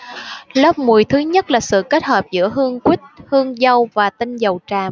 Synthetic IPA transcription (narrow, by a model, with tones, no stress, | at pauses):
ləː˦˥p̚mu˨˩əjt̪ʰɨ˨˦ɲə˦˥t̚laː˨˩sɨ̰˧˨ke˦˥t̚həː˨˩p̚zɨ̰˧˥əɦɨ˧əŋkwi˦˥t̟̚hɨ˧əŋzə˧wvaː˨˩t̪ï˧ŋ̟zə˨˩wt͡ɕaː˨˩m